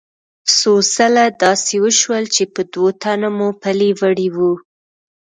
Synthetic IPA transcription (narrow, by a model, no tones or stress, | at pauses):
sosalad̪ɑsewəʃwəlt͡ʃepəd̪wot̪anamupalevəɽiwu